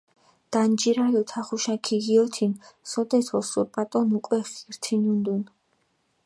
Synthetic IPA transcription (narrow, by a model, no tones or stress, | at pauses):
d̪̥and͡ʒiɾalɔt̪ʰaχuʃakʰiɣiɔt̪ʰinsɔd̪ɛt̪ʰɔsuɾpʼat̪ʼɔnukʼwɛχiɾt̪ʰinund̪un